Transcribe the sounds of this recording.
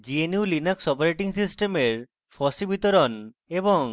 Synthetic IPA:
d͡ʒienjulinaksɔpaɾeʈiŋsisʈemeɾ | pʰɔsibʱit̪ɔɾon | ebɔŋ

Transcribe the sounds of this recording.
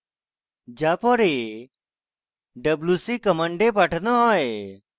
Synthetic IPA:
d͡ʑapɔɾe | ɖəblusikəmaɳɖepaʈʰnɔɦɔj

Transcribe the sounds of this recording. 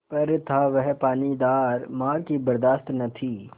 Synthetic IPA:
pɐɾt̪ʰaʋɛɦpaːnid̪aːɾmaːɾkibɐɾd̪aːst̪nɐt̪ʰiː

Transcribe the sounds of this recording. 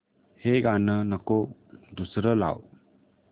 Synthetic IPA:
heɡanənakod̪usɾəla̰w

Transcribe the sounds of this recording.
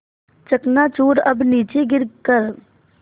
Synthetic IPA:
t͡ʃəknat͡ʃuːɾɐbniːt͡ʃeɡɪɾkəɾ

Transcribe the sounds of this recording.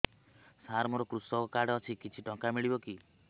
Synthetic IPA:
saɾmɔɾɔkɾusɔkɔkaɽɔt͡ʃʰikit͡ʃʰiʈɔŋkamiɭibɔki

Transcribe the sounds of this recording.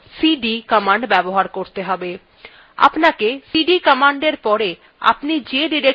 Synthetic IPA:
siɖikəmaɳɖbɛboɦaɾkoɾt̪eɦɔbe | a̰pnakesiɖikəmaɳɖeɾpɔɾe | a̰pnid͡ʑeɖiɾe

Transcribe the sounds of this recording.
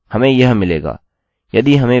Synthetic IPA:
hɐmẽjɐɦmɪleːɡa̰ː | jɐd̪iɦɐmẽ

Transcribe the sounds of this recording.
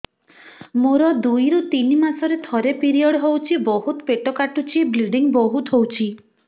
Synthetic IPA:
moɾɔd̪ujɾut̪inimasɔɾet̪ʰɔɾepiɾiɔɽɦowt͡ʃʰibɔɦut̪ɔpeʈɔkaʈut͡ʃʰibliɖiŋbɔɦut̪ɦowt͡ʃʰi

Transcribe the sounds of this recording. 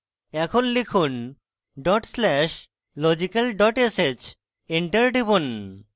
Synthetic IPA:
ɛkʰonlekʰun | ɖɔʈslɛʃ | lɔd͡ʑikalɖɔʈeset͡ɕ | iɳʈɐɾɖibon

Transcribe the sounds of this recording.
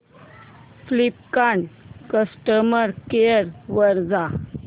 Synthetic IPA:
flip̚kaɳkəsʈəməɾkeəɾʋəɾd͡za

